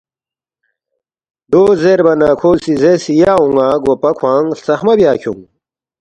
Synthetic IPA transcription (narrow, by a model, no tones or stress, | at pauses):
d̪oːzeɾbɐnaːkʰoːsizesijaːũŋaːɡopɐkʰwãːŋɬt͡sɐxmɐbjaːkʰṵŋ